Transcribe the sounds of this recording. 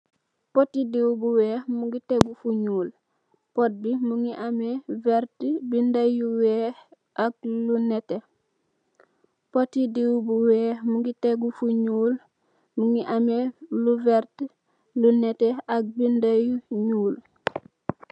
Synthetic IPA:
potidiwbuweːhmuɡiteɡufuɲuːl | pot̚bimuŋiʔameveɾtbindajuweːh | ak̚lunete | potidiwubuweːhmuɡiteɡufuɲuːl | muŋiʔameluveɾt | luneteak̚bindajuɲuːl

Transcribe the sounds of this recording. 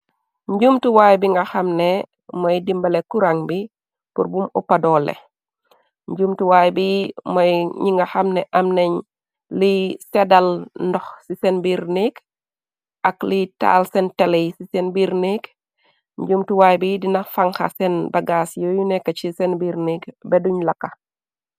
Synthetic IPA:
ɲɟumtuwajbiŋɡɐxɐmne | mɐjdimbɐlekuɾaŋbi | puɾbumupadɔːlḛ | ɲɟumtuwaːjbimɐjɲiŋɡaxɐmnɛʔɐmneɲ | lisɛdalndɔxsisɛnbiɾnik | ʔaklita̰lsɛntɛlejsisɛnbiɾnik | ɲɟumtuwajbidinafaŋxa̰sɛnbɐɡasjojunɛkːat͡ʃisɛnbiɾnikbɛduɲlɐkːa

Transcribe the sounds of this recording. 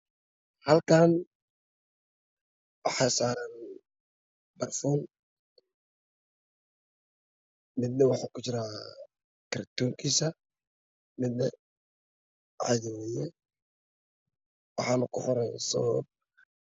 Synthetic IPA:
hɐlkʰaːn | wɑħɑːsaːɾan | bɐrfɔːn | mɪd̪̚nɛwɑħaːkʊt͡ʃɪɾaː | kɪɾɐt̪uːŋkʰiːsɐ | mɪd̪nɛ | ʕɑ̰jɛwɛjɛ | wɑħɑːnʊkʰʊħɔɾɛjsɔ̰b̚

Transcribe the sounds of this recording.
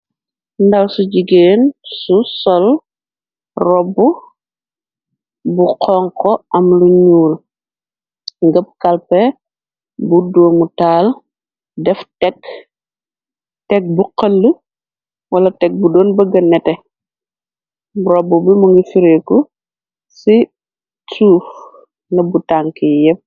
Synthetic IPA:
ndɐlsuɟiɡeːnsusɔl | rɔbu | buqɔŋkɔʔɐmluɲuːl | ŋɡɐp̚kɐlpɛ | budoːmutaːl | dɛftɛk | tɛk̚buqɐlːu | wɐlɐtɛk̚budɔːnbɐɡɐnːɛtɛ | ɾɔbːubimuŋɡifiɾekɔ | si | tuːf | nɐbutaŋkɛjɛp̚

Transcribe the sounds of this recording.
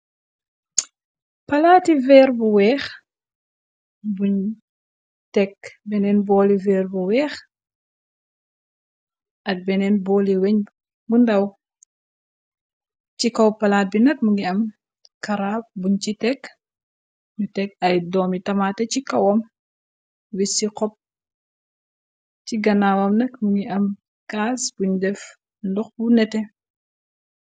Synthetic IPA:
pɐlaːtivɛːɾbuwɛːx | buɲ | tɛkbɛnɛnbɔːlivɛːɾbuwɛːx | ʔɐd̚bɛnɛnbɔːliwɛɲ | bundɐw | cikɐwpːɐlaːt̚binɐk̚muŋɡiɐm | kɐɾaːp̚buɲt͡ʃitɛk | ɲutɛk̚ɐjdɔːmitɐmatɛcikɐwɐm | wisikɔp̚ | ciɡɐnawɐmnɐkmuŋɡiʔɐm | kaːsb̥uɲdɛf | ndɔxbunɛtɛ

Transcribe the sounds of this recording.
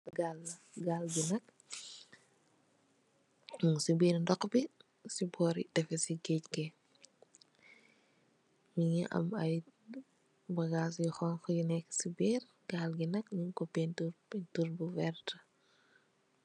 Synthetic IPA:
ɡalːɐ | ɡaːlɡinɐk̚ | sibiːɾndɔkːbi | sibɔːɾḭdɛfɛsiɡɛckɛ | miɲiʔɐ̰mɐj | bɐɡaːs̬jɔxɔnxɔjunɛkːsibiːr | ɡalɡinɐkɲiŋkɔpːɛntuɾpɛtuɾbuwɛrtɐ̥

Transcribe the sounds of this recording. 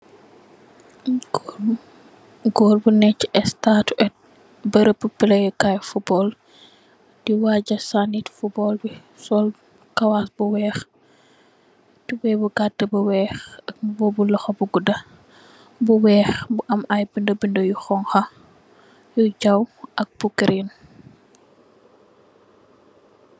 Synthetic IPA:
ɡɔːlbunɛcːʔɛstatɛt̚ | bəɾəpːəpəlɐjəkajfubɔl | d̥iwaɟɐsanitfubɔlbi | sɔl | kɐwasbuwɛːx | tibɛbuɡadːəbuwɛːxɐbɔbulɔxɐbuɡudɐ | buwɛːxbuʔɐmɐjbindəbindəjuxɔŋxɐ | juɟawʔɐk̚b̥ukəɾin

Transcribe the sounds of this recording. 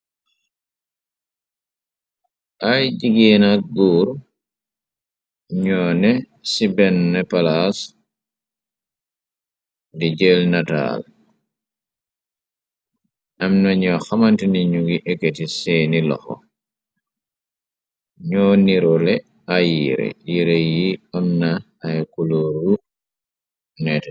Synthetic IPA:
ʔajd͡ʒiɡɛːnaɡuːɾ | ɲɔːnɛ | sibɛnːɛpalas | did͡ʒɛlnata̰ːl | ʔamnaɲɔxamantiniɲuɡiʔeketisɛːnilɔ̰xɔ̰ | ɲɔːniɾɔlɛ | ajiɾɛ̰jiɾejiɔmnaː | jkuloːɾu | nɛtɛ

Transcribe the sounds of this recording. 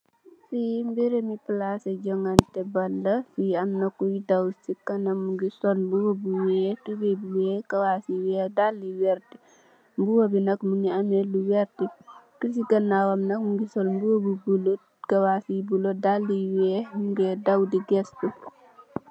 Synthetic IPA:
simbiɾemiplasɐɟɔŋantɛbɐlːɐfiɐmnɐkːujidɐwsikɐnɐmuɡisɔlmbuwobuwɛtubebuwɛːkɐwasiwɛdalːiwɛɾti | mbuwobinɐkmuŋɡiɐmɛluwɛɾtikus̬ikɐnːawɐmnɐkmuŋɡisɔlmbuwobubulot | kɐwasibulodalːiwɛmuɡɛdɐwdiɡɛstu

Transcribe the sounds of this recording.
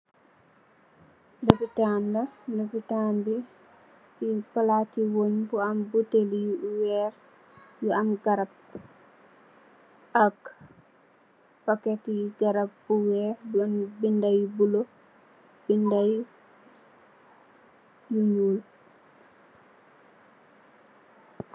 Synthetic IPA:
depitandandepitanbi | ipalatiwoɲbuambutelijuwɛɾ | juamɡaɾab | ak | paketiɡaɾabbuwɛnbindajbulo | b̥indaj | juɲul

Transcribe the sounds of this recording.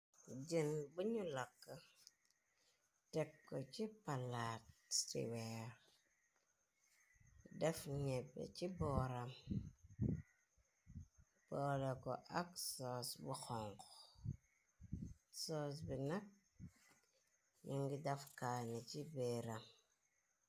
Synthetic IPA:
d͡ʒinbuɲulakːa | tɛkːɔt͡ʃipalattḭwɛɾ | dɛfɲɛbːɛ̰t͡ʃibɔːɾam | b̥ɔːlɛkɔ̰ʔaksɔsbuxɔŋkɔ | sɔs̬binak̚ | niŋɡidafkaːnit͡ʃibeːɾam

